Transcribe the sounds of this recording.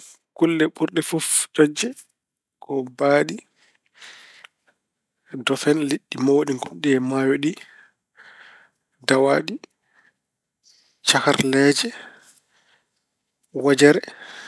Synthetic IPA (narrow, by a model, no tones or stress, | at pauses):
kulːɛɓuɾɗɛfofd͡ʒɔd͡ʒːɛ | kɔbaːɗi | dɔfɛnliɗːimawoɗiŋɡunɗɛɛmajɔɗi | dawaːɗi | t͡ʃaka̰ɾlɛːd͡ʒɛ | wad͡ʒɛɾɛ